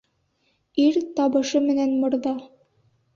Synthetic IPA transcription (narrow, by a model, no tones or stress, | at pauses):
iɾt̪ɑβɤ̆ʃɤmɘ̆nænmŏɾðɑ